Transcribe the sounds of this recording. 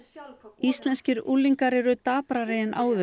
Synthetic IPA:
ist̪lɛnscɪɾulːiŋkaɾɛɾʏt̪aːpɾaɾejɪnʔa̰ːwðʏ

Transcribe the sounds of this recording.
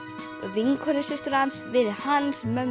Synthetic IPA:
vɪŋkʰœnʏsɪst̪ʏɾhansvɪðhansmœ

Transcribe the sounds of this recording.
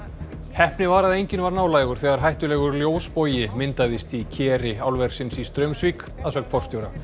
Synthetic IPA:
hɛhpnɪvaːɾaðejɲcɪnvaɾnaːwlaːjɣʏɾ̥θɛːɣaɾ̥ɦajht̪ʏlɛːɣʏɾljoːwspoːwjɪmɪnt̪aðɪst̪icʰɛːɾɪawlvɛɾ̥sɪnsist̪ɾœɥmsviːk | aðsœkt̪fɔwr̥st̪jowɾa

